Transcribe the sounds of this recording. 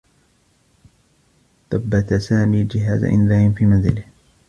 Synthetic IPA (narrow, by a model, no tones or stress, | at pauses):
θˤabːat̪asaːmiːd͡ʒɪɦa̰ːza̰ʔɪ̰nðaːʔɪnfiːmanzɪlɪh